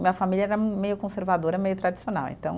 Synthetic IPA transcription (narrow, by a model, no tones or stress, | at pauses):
mĩɲɐfamiʎɐɛɾɐmejʊkõseɾvad̪oɾɐmejʊt̪ɾad͡ʒisiona̰wḛ̃nt̪ɐ̃w̃